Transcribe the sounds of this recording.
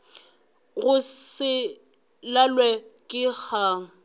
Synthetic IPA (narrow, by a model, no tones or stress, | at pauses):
ɣʊsɪ | lalwɛkʼɪk͡xʰaːŋ̩